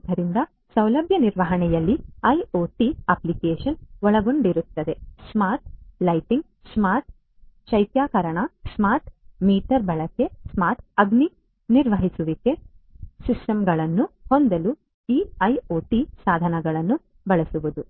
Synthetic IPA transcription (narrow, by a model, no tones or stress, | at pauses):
d̪ʱɐɾind̪ɐ | sɐwlɐbʱjɐniɾʋɐɦɐɳɛjɐlːiɐjoːʈiɐːplikeːʃɐnʋɔɭɐɡo̞ɳɖiɾut̪ːɐd̪e̞smaːɾʈ̚lɐjʈiŋɡ | smaːɾʈ̚ | ʃɐjt̪jaːkɐɾɐɳɐsmaːɾʈmiːʈɐɾbɐɭɐkːe̞smaːɾʈɐɡni | niɾʋɐɦisuʋike̞sisʈɐmɡɐɭɐnːuhond̪ɐlu | iːɐjoːʈisaːd̪ʱɐnɐɡɐɭɐnːu | bɐɭɐsuʋud̪u